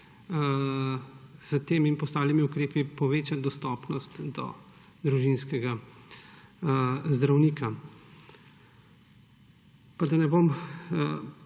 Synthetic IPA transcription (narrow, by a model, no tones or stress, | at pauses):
z̥ət̪eːminpɔst̪aːwlimiukɾeːpipɔʋeːt͡ʃad̪ɔst̪ɔːpnɔst̪d̪ɔ̰ | d̪ɾuʒinskɛɡa | zd̪ɾawniːka | pad̪ɐnɛbom